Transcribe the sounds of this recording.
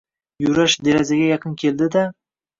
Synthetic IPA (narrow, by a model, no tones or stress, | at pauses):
jʊɾaʃd̪eɾazaɡʲajɑqʰɨnkʲʰe̞ld̪ɪd̪a